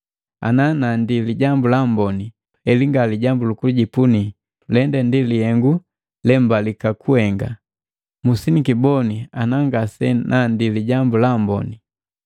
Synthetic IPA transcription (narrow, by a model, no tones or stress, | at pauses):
a̰nanandiliɟambulambɔni | ɛliŋɡaliɟambulukuluɟipuni | ulɛndɛndilihɛŋɡu | lɛmbalikakuhɛŋɡa | musinikibɔnianaŋɡasɛnʔandiliɟambulambɔ̰ni